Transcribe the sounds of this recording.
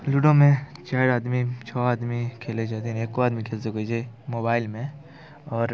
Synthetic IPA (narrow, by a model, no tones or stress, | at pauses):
lʊɖõmẽt͡ʃaːɾaːd̪mit͡ʃʰɔːaːd̪mikʰeːled͡ʒaːt̪̬eɦeːkːoaːd̪mikʰeːlsekod͡ʒemoːbaːɪlmẽ | ɔːɾ